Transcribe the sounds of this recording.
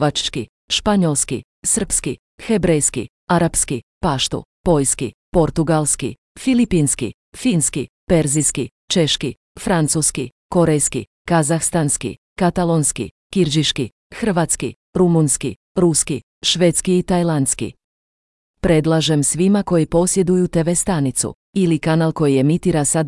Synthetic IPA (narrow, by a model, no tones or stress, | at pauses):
at͡ʃki | ʃpaɲolˠskḭ | sər̩pski | xebɾejskḭ | aɾapskḭpaʃt̪ṵpo̞jskḭpo̞ɾt̪uɡalˠskḭ | filipinskḭ | finski | pe̞ɾziski | t͡ʃe̞ʃki | fɾant̪suskḭ | ko̞ɾejskḭ | kazaxst̪anskḭ | kat̪alonskḭ | kiɾd͡ʒiʃkḭ | xr̩ʋat̪skḭ | ɾumunskḭ | ɾuski | ʃʋeːt̪skiːt̪ajlˠanskḭ | pɾed̪lˠaʒe̞msʋimako̞jipo̞sje̞d̪ujut̪eʋest̪anit̪sṵ | ilikanalˠko̞jie̞mit̪iɾasad̪